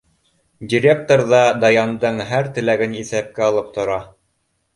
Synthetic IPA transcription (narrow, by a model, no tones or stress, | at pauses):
dʲiɾʲek̚t̪oɾðɑd̪ɑjɑnd̪ɤɴɦæɾt̪ɘ̆læɡɘniθæp̚kæɑlˠɤp̚t̪ŏɾɑ